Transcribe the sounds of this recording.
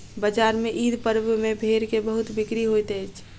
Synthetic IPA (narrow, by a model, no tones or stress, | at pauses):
bəd͡ʒaːɾmẽʔiːd̪pəɾbmẽbʱeɾkebəɦʊt̪bɪkɾiɦojt̪et͡ʃʰ